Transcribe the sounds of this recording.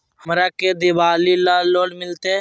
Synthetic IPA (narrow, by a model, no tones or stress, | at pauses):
ɦəmɾaːked̪ɪʋaːlilaːloːɽmɪlt̪e